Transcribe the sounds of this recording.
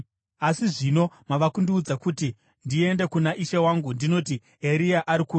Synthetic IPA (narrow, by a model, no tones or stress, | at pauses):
asiʐino̞maʋakundiud͡zakuti | ndie̞nde̞kunaʔiʃewaŋɡundino̞ti | eɾiaʔaɾiku